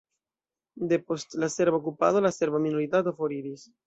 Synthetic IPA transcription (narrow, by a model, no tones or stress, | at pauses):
d̪e̞post̪laseɾbaokupa̰ðolaseɾbaminoɾit̪at̪ofoɾiɾis